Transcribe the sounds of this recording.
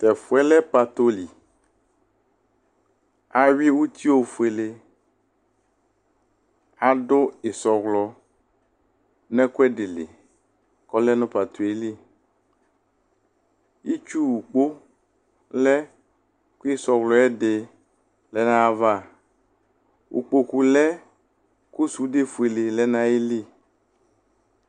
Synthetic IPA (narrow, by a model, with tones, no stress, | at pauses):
t̪ɛ˨fʊ˨ɛ˦lɛ˦pa˨t̪o˦li˨ | a˨ɥi˦wu˦t̪ʰi˦wo˦fu˨e˨le˦ | a˨ɖʊ˦ɪ˨sɔ˨ɣlɔ˨ | nɛ̃˦ku˦ɛ˦ɖɪ˨lḛ˨ | kɔ˦lɛ˦nʊ̃˦pa˨t̪o˨e˦li˦ | i˦t͡ʃu˦wu˨k͡po˦ | lɛ˦ | ku˦i˦sɔ˨ɣlɔ˨ɛ˦dɪ˨ | lɛ˨nã˦va˦˨ | wʔṵ˨k͡po˨ku˨lɛ˦ | ku˦su˦de˦fu˨e˨lɪ˨lɛ˦nã˦e˦li˦